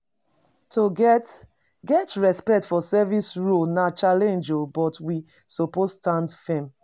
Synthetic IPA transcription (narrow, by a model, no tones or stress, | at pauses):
toɡt | ɡɛtɹɛspɛk̚tfɔsɛvisɹunat͡ʃalɛ̃nd͡ʒobɔtwi | sopostãndfẽm